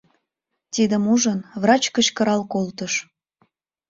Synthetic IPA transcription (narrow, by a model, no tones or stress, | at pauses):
t̪id̪əmuʒənβrɑt͡ɕkət͡ɕkəɾɑlkolt̪əʃ